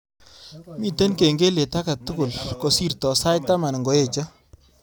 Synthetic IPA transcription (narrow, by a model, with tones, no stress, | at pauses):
mi˦˨te˦nke˨ŋɡe˦le˨ta˦ka˨tu˦kʊ˨lko˨si˦rtɔ˨sa˦jta˦ma˨n˨ŋɡo˨e˦˨t͡ʃa˦